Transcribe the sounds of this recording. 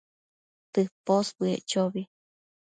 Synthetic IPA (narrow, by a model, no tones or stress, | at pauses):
t̪ɨhposbɨḛʔt͡ʃoβi